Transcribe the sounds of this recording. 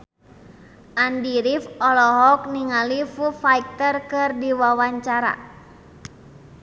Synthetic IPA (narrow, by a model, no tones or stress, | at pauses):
ʔandiɾifɔlɔɦɔk̚niŋalifufaik̚t̪ərkɨrdiwawaɲt͡ʃaɾa̰